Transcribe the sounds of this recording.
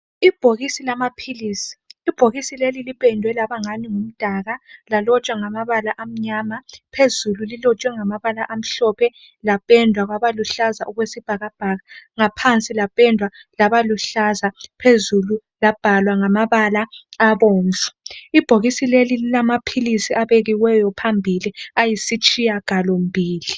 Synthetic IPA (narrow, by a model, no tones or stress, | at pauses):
ib̥ʱoɣisilamapʰiliːsi̥ːb̥ʱoɣisilelilipʼɛndʱwɛlaβaŋaniŋum̩d̥ʱaɣalalɔt͡ʃʼwaŋamaβalaʔam̩ɲamapʰezululilɔt͡ʃʼwɛŋamaβalaʔam̩ɬɔpʰɛ | lapʼɛndʱwaɣwaβaluɬazaʔuɣwesib̥ʱaɣab̥ʱaɣaŋapʰant͡sʼilapʼɛndʱwalaβaluɬazapʰezulu | lab̥ʱalwaŋamaβalaaβoːɱfu̥ib̥ʱoɣisilelililamapʰilisiʔaβeɣiwɛjɔpʰambʱiliajisit͡ʃʼijaɡ̥ʱalombʱiːli